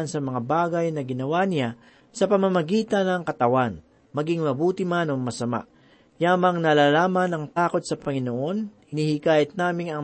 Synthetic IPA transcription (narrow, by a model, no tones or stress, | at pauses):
nsɐmɐŋabaːɡɐjnɐɡɪnɐwanɪja | sɐpɐmɐmɐɡiːt̪ɐnɐŋkɐt̪ɐwan | mɐɡɪŋmɐbuːt̪ɪmanoŋmɐsɐma̰ʔ | jaːmɐŋnɐlalaːmɐnɐŋt̪aːko̞t̪sɐpɐŋɪnoʔo̞n | ɪnihikaːʔɪt̪̚naːmɪŋɐ